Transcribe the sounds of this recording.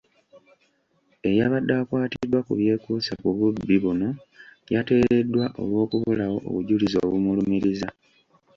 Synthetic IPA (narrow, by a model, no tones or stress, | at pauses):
ejaβadːaːkwaːtiidwakṵβje̞ːkuːsakuβubːiβuno̞ | jate̞ːɾe̞dːwaʔo̞̰lwo̞ːkuβulawo̞̰ʔo̰βuɟulizo̞̰ːβumulumiɾiza